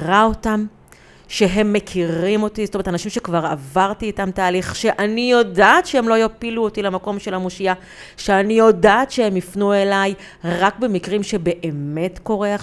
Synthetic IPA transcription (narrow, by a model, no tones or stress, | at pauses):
ʁao̞tam | ʃeɦe̞mːekʰiʁimo̞tizotomet̪anaʃimʃekvaʁa̰vaʁtiːtamtaːliχʃe̞ʔanijo̞daːtʃehemlo̞jopiluotilemako̞mʃe̞lamoʃia | ʃeanijo̞daːtʃeemifnue̞laj | ʁakbe̞mikʁimʃebe̞ʔeme̞tko̞ʁea